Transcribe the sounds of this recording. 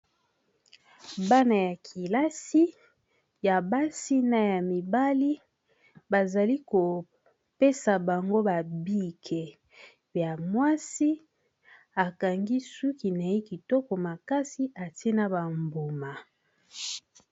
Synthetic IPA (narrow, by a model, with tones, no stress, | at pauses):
ba˦na˨ja˨kʰi˨la˦si˦ | ja˨ba˦si˦na˨ja˨mi˨ba˦li˦ | ba˨za˨li˦ko˨ | pe˦sa˨ba˨ŋɡo˦ba˨bi˦kʰe˨ | ja˨mwa˦si˦ | a˨ka˨ŋɡi˦su˦ki˨na˨i˦ki˨tɔ˦kɔ˨ma˨ka˦si˦ʔa˨te˦na˦ba˨mbo˨ma˨